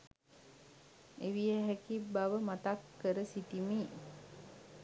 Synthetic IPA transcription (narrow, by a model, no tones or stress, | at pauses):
eʋijəɦækibaʋəmat̪akːəɾəsit̪imeː